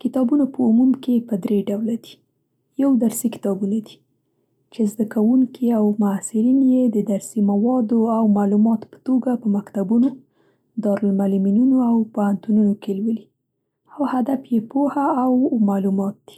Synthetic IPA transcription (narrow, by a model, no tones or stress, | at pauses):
kɪt̪ɑbunapəumumkepəd̪ɾeɖawlad̪i̥ | jawd̪aɾsikɪ̥t̪ɑbunad̪i̥ | t͡ʃezd̪akawuŋkʰiawmʊasɪɾinjed̪əd̪aɾsimawɑd̪oawmalumɑt̪pə̥t̪oɡapəmakt̪abuno | d̪ɑɾʊlmaliminunoawpohant̪ununokelwəli | awhad̪afjepohaːwmalumɑt̪̚d̪̥i̥